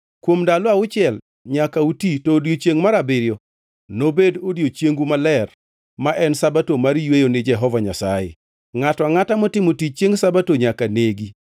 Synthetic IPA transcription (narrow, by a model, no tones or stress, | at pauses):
kwomdalɔaʊt͡ʃɪɛl | ɲakautitoːdjot͡ʃjeŋmaɾabɪɾjɔ | nobedodjot͡ʃjeŋɡumalɛr | maʔɛnsabatomaɾjwejonɪd͡ʒɛɦɔvaɲasajɪ̰ | ŋatɔaŋatamɔtɪmotit͡ʃjeŋsabatoɲakaneɡi